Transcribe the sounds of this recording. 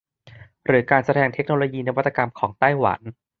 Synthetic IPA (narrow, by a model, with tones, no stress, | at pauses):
ɾɯː˩˦kaː˧nsa˧ɾɛː˧ŋt̪ʰe˦˥k̚noː˧loː˧jiː˧na˧wa˥t̪ːa˧ka˧mkʰɔː˩˦ŋt̪aː˥˩jwa̰˩˦n